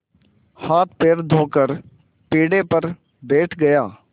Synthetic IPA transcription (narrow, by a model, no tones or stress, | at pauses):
haːt̪̚peːɾd̪ʱoːkəɾ | piːɽeːpəɾ | beːʈʰɡəjaː